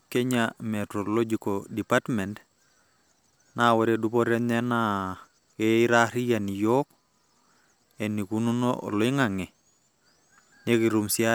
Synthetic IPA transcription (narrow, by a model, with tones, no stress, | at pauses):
ke˦ɲamɛ˨tɾo˨lo˦d͡ʒi˨kodi˨pa˦tmɛ˨nt | nawɔ˦ɾe˨dupɔ˦ɾɛ˦nɛ˦na | kei˦ɾa˦ɾi˦ja˨ni˨jɔk̚ | e˨ni˨ku˦nu˦no̰ɔ̰˨lɔ˦i˦ŋa˨ŋɛ˨ | ne˦ki˨ɾu˨msi˦a